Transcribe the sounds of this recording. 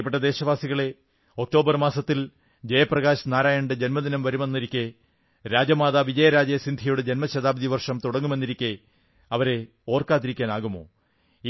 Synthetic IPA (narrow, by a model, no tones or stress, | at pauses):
peʈ̬ːɐd̪e̞ːɕɐʋaːsiɣɐɭe̞ | o̞k̚ʈo̞ːbɐrmaːsɐt̪ːil | d͡ʑejɐprɐɣaːɕnaːɾaːjɐɳɖɨd͡ʑenmɐd̪inɐmʋɐɾume̞nːiɾikʲːɨ | ɾaːd͡ʑɐmaːðaːʋid͡ʑɐjɐɾaːd͡ʑɐsind̪ʱijoɽed͡ʑenmɐɕɐðaːbɐd̪iʋɐrʂɐmt̪uɽɐŋːume̞nːiɾikʲːe | ɐʋɐɾe̞ | o̞ːrkaːt̪̬ːiɾikʲːaːnaːɣumo̞̰ː